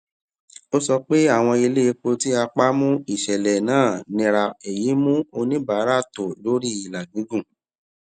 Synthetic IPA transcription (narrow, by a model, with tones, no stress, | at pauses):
o˦sɔ˧k͡pe˦a˦˨w̃ɔ̃˧i˧le˦˧k͡po˧ti˦a˧k͡pa˦mũ˦i˦˨ʃɛ˨lɛ˨nãː˦˨nĩ˧ɾa˧e˨ji˨˦mũ˦o˧nĩ˦ba˨˦ɾa˦˨to˨lo˨˦ɾi˦i˨la˨ɡĩ˨˦ɡũ˦˨